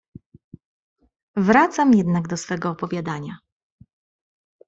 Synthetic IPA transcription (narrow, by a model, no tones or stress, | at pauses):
vɾat̪samjɛd̪naɡd̪ɔsfɛɡɔːpɔvʲjad̪aɲa